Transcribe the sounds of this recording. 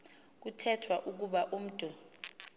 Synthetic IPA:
k̬utʰɛtʰwaʔuk̬uɓaʔum̩tʼu

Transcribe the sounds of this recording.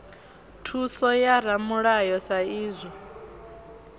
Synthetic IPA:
tʰusɔjaɾ̤amuɺajɔsaiːzʷɔ

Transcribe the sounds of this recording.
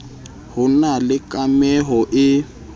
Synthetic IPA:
hʊnalɪkʼamɛɦɔʔɪ

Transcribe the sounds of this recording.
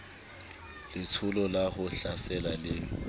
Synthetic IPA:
lɪt͡sʰʊlɔlaɣʊɬasɛlalɪ

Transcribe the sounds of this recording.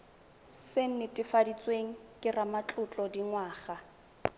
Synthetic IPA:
seŋ̩nɪtʼɪfadit͡sʼweŋ̩kʼɪramat͡ɬʼʊt͡ɬʼɔdiŋwaːχa

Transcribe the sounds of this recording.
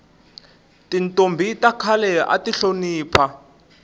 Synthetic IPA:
tintʼombʱitʼakʰalɛʔa̰tiɬoniːpʰa

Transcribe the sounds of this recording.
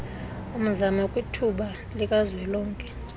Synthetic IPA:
um̩zamakʼwitʰuɓa | likʼazwɛlɔːŋkʼɛ

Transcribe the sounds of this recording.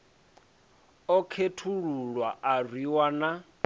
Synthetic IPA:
ɔkʰetʰuɺuɺwaʔarwiwana

